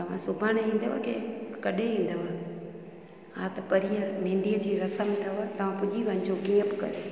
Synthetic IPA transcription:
t̪ɐʋ̤ãsʊbʱaːɽ̃eĩːn̆d̪əʋa̰kʰḛkɐɗʱeʋĩːn̆d̪əʋa | ɦãt̪ɐpɐɾijə̃mẽːɳɖijəd͡ʑiːɾɐsəmt̪ʰiat̪ɐʋ̤ãpʊʄiʋɐ̃ɲd͡ʑokĩːə̃bɪkɐ̰ɾe

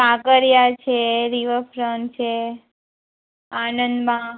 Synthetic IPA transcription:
takəɾjat͡ʃʰeɾiʋəfɾənt͡ʃʰe | anənd̪mã

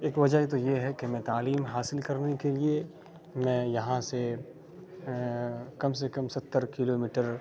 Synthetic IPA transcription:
eːkʋɐd͡ʒəɦit̪ojeɦɛkemɛ̃ːt̪aːliːmɦaːsɪlkɐɾnekelie | mɛ̃ːjɐɦãse | kɐmsekɐ̃msɐt̪ːəɾkɪloːmiːʈəɾ

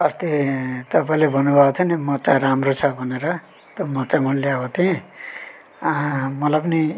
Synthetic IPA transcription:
ʌst̪et̪ʌpaĩlebʱʌnubʱat̪ʰjʌnimʌt͡saɾamrot͡sʰʌbʱʌneɾʌ | t̪omʌt͡samʌlebʌt̪ʰiẽ | mʌlajp̬ʌni

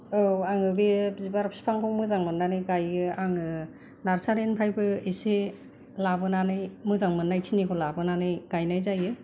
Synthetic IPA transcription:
ɯwaŋɯbizibaɾpspʰaŋpʰɔmɯzaŋmɯnːanɯjɡajɯaŋɯ | naɾsaɾenpʰajbɯise | labɯnanɯjmɯzaŋmɯnːajkʰinikʰɔlabɯnanɯjɡ̥ajnajzajɯ

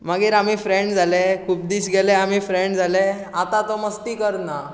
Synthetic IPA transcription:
maɡiːɾamifɾẽɳɖd͡zʱalɛkʰuːp̚d̪iːsɡelɛam̤ifɾeɳɖd͡zʱalɛ | at̪at̪ɔməst̪iːkəɾna

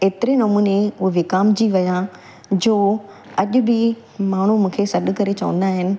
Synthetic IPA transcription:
eːt̪ɪɾenɐmuːneʊɦeʋɪkaːmd͡ʑiʋɐjã | d͡ʑoː | ɐʄʊbɪ | maːɳ̤umũːkʰesɐɗ̆kɐɾet͡ɕɐʋə̰̃nd̪aːɦɪnɪ̆

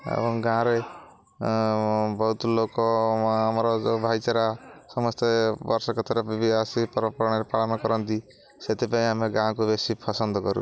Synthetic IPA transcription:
ḛbɔŋɡãɾej | bɔut̪lokɔːmɔɾɔd͡ʒobʱajt͡ʃaɾasɔmɔst̪ebɔɾsɔkɔt̪ʰɔɾebibiasipɔɾɔpɔɾɔɽ̃eɾepaɭɔnɔkɔɾɔnd̪i | set̪ipaĩɦameɡãkubesipʰɔsɔnd̪ɔɡɔɾṵ

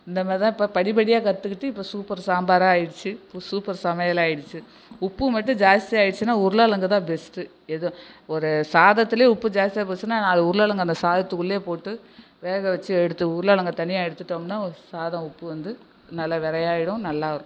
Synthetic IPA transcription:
ɪnd̪ɐmaːɾɪt̪ãːɪpːɐpɐɽɪpɐɽɪjaːkɐɾt̪ːɯkːɪʈːɯɪpːoːsuːpɐɾsaːmbaːɾãaːjɪɽɯt͡ʃːɯpːosuːpɐɾsɐmɐjɐlaːjɪɽɯt͡ʃːɯ | ʊpːɯmɐʈːɯ̃d͡ʒaːst̪ɪjaːjɪɽɯt͡ʃːɯnːaːʊɾɯlaːlɐŋɡɐt̪ãːbɛsʈɯ | ɛðɐɔɾɯsaːðɐt̪ːɪleːʊpːɯd͡ʒaːst̪ɪjaːbesɯnːaːnaːlɐʊɾɯlaːlɐŋɡɐnd̪ɐsaːðɐt̪ːɯkɯɭːeːpoːʈːɯ | ʋeːɣɐʋɐt͡ʃːɯɛɽɯt̪ːɯʊɾɯlaːlɐŋɡɐt̪ɐɳɪjaːɛɽɯt̪ːɯʈːɐːmnːaːɔɾɯsaːðɐ̃ʊpːɯʋɐnd̪ɯ | nɐlːɐʋɛɾɐjaːɪɽʊ̃nɐlːaːɾ

